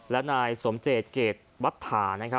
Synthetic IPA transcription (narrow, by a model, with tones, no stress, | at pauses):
lɛ˦˥naː˧jso˩˦mt͡ɕeː˨˩t̪̚keː˨˩t̪̚wa˦˥t̪ʰːaː˩˦na˦˥kʰ